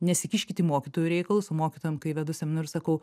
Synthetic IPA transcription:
nʲɛsʲɪkʲɪʃʲkʲɪt̪ʲiːmoːkʲit̪oːjuɾʲɛɪkɐlˠʊsʊmoːkʲit̪oːjɛmkɐɪʋʲɛd̪ʊsʲɛmʲɪnʊɾʲʊsɐkɐʊ

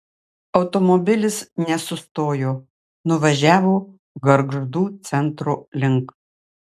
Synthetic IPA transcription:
ɒʊt̪ɔmɔbʲɪlʲɪsnʲɛsʊst̪oːjoː | nʊʋɐʒʲæːʋoː | ɡɐɾɡʒd̪uːt̪sʲɛnt̪ɾoːlʲɪŋk

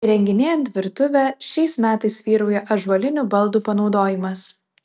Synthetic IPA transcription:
ɾʲɛŋʲɡʲɪnʲeːjɛnt̪ʋʲɪɾt̪ʊʋʲɛʃʲɛɪsmʲæːt̪ɐɪsʋʲiːɾɐʊjɛʔɐʒʋɐlʲɪnʲuːbɐlˠˑd̪uːpɐnɒʊd̪oːjɪmɐs

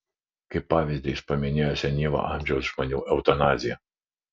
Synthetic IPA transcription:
kɐɪpːɑːʋʲiˑzʲd̪ʲɛɪspɐmʲɪnʲeːjoːsʲɛnʲiːʋo̰ʔɑˑmʲʒʲɛʊsʒmonʲuːʔɛʊt̪ɐnɑːzʲɪjɛ

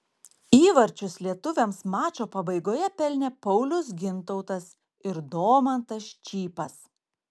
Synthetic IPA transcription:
iːʋɐɾʲt͡ʃʲʊslʲiɛt̪ʊʋʲɛmsmɑːt͡ʃʲoːpɐbɐɪɡoːjɛpʲɛlʲnʲeːpɐʊlʲʊs̬ɡʲɪnt̪ɔʊt̪ɐs | ɪɾd̪oːmɐnt̪ɐʃt͡ʃʲiːpɐs

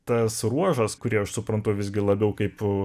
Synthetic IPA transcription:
t̪ɐsruɔʒɐskʊɾʲiɛɐʃsʊpɾɐnt̪ʊʋʲɪzʲɡʲɪlˠɐbʲɛʊkɐɪp

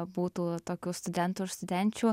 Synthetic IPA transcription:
buːt̪uːt̪oːkʲuːst̪ʊd̪ʲɛnt̪uɪst̪ʊd̪ʲɛnʲt͡ʃʲuː

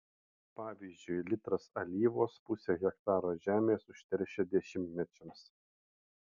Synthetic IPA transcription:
pɑːʋʲiːzʲd͡ʒʲʊɪlʲɪt̪ɾɐsɐlʲiːʋoːspʊsʲeːɣʲɛkt̪ɑːɾoːʒʲæːmʲeːsʊʃʲt̪ʲɛɾʲʃʲɛd̪ʲɛʃʲɪmʲt̪ʲmʲɛt͡ʃʲɛms

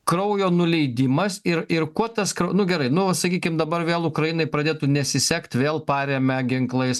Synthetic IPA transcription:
kɾɐʊjoːnʊlʲɛɪd̪ʲɪmɐsɪɾɪɾkuɔt̪ɐskɾɐʊnʊɡʲɛɾɐɪnʊʋɐt̪sɐkʲiːkʲɪmd̪ɐbɐɾʋʲeːlˠʊkɾɐjɪnɐɪpɾɐd̪ʲeːt̪unʲɛsʲɪsʲɛkt̪ʲʋʲeːlˠpɑːɾʲeːmʲɛɡʲɪŋklˠɐɪs

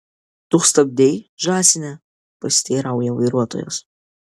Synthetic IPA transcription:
d̪̥uχst̪ɐb̚d̪ʲejʒaːsʲɪnʲɛ | pɐsʲt̪ʲeːɾawjɛwɐjɾuɔt̪ʰo̰jo̰s

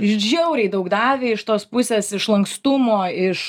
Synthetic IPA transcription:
ɪʃʒʲɛʊɾʲɛɪd̪ɐʊɡd̪ɑːʋʲeːɪʃt̪oːspʊsʲeːsɪʃlˠɐŋkst̪ʊmoːɪʃ

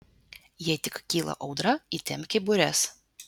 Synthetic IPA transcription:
jit̪ʲɪkkʲiːlˠɐ̰ʔɒʊd̪ɾɐit̪ʲɛmʲkʲɪbʊɾʲɛs

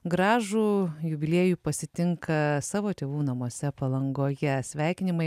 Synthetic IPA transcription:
ɡɾɑːʒuːjʊbʲɪlʲeːjuːpɐsʲɪt̪ʲɪŋkʰɐsɑːʋoːt̪ʲeːʋuːnɐmuɔsʲɛpɐlˠɐŋɡoːjɛsʲʋʲæˑɪkʲɪnʲɪmɐɪ

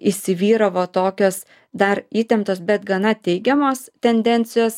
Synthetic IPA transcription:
isʲɪʋʲiːɾɐʋoːt̪oːkʲoːs | d̪ɐɾiːt̪ʲɛmt̪oːsbʲɛt̪ɡɐnɐt̪ʲɛɪɡʲɛmoːst̪ʲɛnʲd̪ʲɛnʲt̪sʲɪjoːs

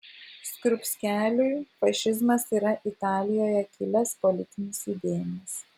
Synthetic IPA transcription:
skɾʊpʲsʲkʲæːlʲʊjfɐʃʲɪzmɐsiːɾɐʔɪt̪ɑːlʲɪjoːjɛkʲɪlʲɛspɔlʲɪt̪ʲɪnʲɪsid̪ʲeːjɪnʲes

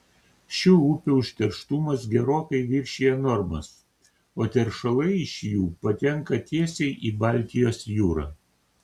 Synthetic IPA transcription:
ʃʲuːʊpʲʊʊʃʲt̪ʲɛɾʃt̪umɐsɡʲɛɾoːkɐɪʋʲɪɾʲʃʲijɛnɔɾmɐ̰s | oːt̪ʲɛɾʃɐlˠɐɪɪʃʲjuːpɐt̪ʲɛŋˑkɐt̪ʲiɛsʲɛɪʔiːbɑˑlʲt̪ʲɪjoːsjuːɾɑ̰ː

